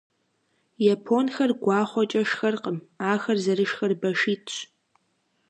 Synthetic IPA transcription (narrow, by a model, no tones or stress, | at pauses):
japʰonxɐrɡʷɑːχʷɔt͡ʃʼɐʂxɐrqəmaːxɐrzɐɾɨʂxɐrbɐʂiːtʰʼt͡ʃ